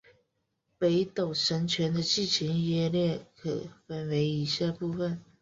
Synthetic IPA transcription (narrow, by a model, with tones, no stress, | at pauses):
pe˧˥ɪt̪o˨˩ʊʂə˧˥nt͡ɕʰɥɛ˧˥nd̪ə˧t͡ɕi˥˩t͡ɕʰi˧˥njɛ˥ljɛ˥˩kʰə̰˨˩fa˨˩nwe˧˥ɪi˧˥ɕja˥˧pu˥˩fə˨˩n